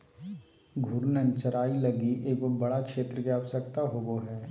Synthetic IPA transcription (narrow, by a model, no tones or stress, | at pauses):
ɡʱʊɾnənt͡ʃɐɾaːilɐɡiʔeːkʋobɐɽakʃeːt̪ɾəkeaːʋsəkt̪aɦoːɡoɦɛː